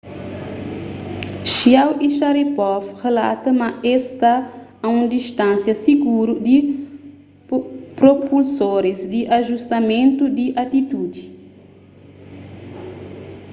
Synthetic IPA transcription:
ʃiawiʃaɾipɔfrela̰t̪ɐmɐest̪aɐũd̪iʃt̪ãsjɐsiɡuɾud̪i | pɾopulsoɾizd̪iʔaʒust̪ɐmẽnt̪ud̪iʔat̪it̪ud̪i

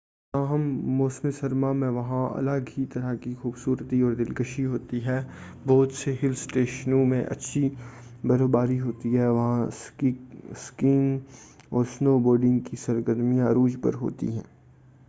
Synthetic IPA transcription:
t̪aːɦəmːoːsmesɐɾmamẽʋɐɦãɐ̰ləɡɦit̪ɐɾakixuːbsuːɾt̪iɔːɾd̪ɪlkəʃiɦoːt̪iɦɛː | boːd̪seɦɪlsʈeːʃnũmẽʔɐ̰tːʃʰi | bɐɾoːbaːɾiɦoːt̪iɦɛʋɐɦãs | skɪːn | ɔːɾsnoːboːɾɖɪ̃ŋɡkisɐɾɡəd̪mijãɾuːd͡ʒpɐ̰ɾɦo̰ːt̪ḭɦɛ̰̃ː

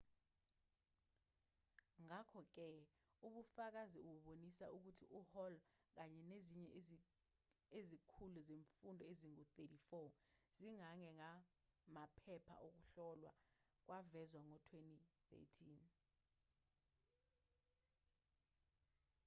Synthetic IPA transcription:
ŋakʰɔk̬ɛ | uɓufak̬aziuwuɓonisauk̬utʰiʔuhɔlk̬aɲɛneziɲɛ | ezikʰuluzeɱfundʱɔeziŋut̪etifɔz̥iŋaŋɛŋa | mapʰɛpʰa̰ʔok̬uɬɔlwa̰k̬wavɛzwaŋɔtʰwentiθḛtʰiːn

